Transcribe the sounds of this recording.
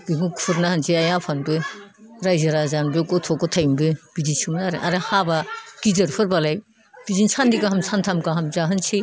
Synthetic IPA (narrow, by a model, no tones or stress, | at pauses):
biŋukʰuɾnahɐnsʰiajapʰanbɯ | ɾajzaɾazanbekɔtʰɔkɔtʰajmbɯb̥idisuŋnaɾɯ̰ʔa̰ɾahabaɡ̥izɐɾpʰɯɾbalaj | b̥izinsʰandikaɦamsʰantʰamkaɦamzaɦɯnsʰi